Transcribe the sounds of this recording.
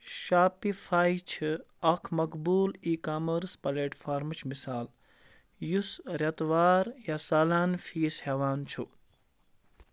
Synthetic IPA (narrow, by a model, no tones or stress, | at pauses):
ʃaːpifʰaːjt͡ʃʰiɐkʰmɐkbuːliːkaːməɾspleːʈfʰaːɾmt͡ʃʰmisaːl | jusɾjɐt̪ʋaːɾjasaːlaːnfʰiːsheʋaːnt͡ʃʰu